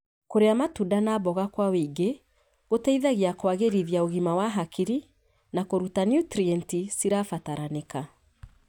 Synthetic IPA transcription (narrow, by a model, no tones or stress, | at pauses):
koɾeamatudanaːbɔɣakwawiɡe | ɣotaiðaɣiakwaɣeɾiðjaoɣimawaɦakiɾi | nakoɾutanjutɾiɛntisiɾafataɾaneka